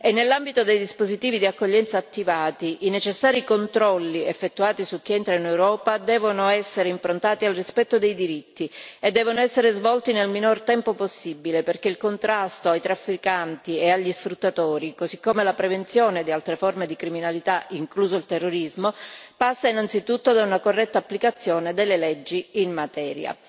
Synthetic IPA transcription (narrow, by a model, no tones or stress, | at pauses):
enːelːambit̪od̪ejd̪ispozit̪iːvid̪iakːoʎːɛnt̪saːt̪ːivaːt̪iʔinet͡ʃesːaːɾikont̪ɾɔlːiefːet̪ːuaːt̪isuk̟ːiɛnt̪ɾainewɾɔːpad̪ɛːvonoɛsːeɾeimpɾont̪aːt̪ialrispɛt̪ːod̪ejd̪iɾit̪ːied̪ːɛːvonoɛsːeɾezvɔlt̪inelminort̪ɛmpoposːibileperk̟eilkont̪ɾast̪oajt̪ɾafːikant̪ieaʎːisfɾut̪ːat̪oːɾikozikːomelapɾevent̪sjoːned̪ialt̪ɾeformed̪ikɾiminalit̪aiŋkluːzoilt̪erːoɾizmopasːainant̪sit̪ut̪ːod̪aunakorːɛt̪ːaːpːlikat̪sːjoːned̪elːelɛd͡ʒːiinmat̪ɛːɾja̰